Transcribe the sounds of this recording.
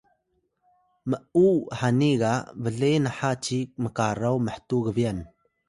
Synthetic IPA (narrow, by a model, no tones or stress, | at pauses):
məʔuħaniɣavəɮenəħat͡ʃiməkaɾawməħtuɣəvian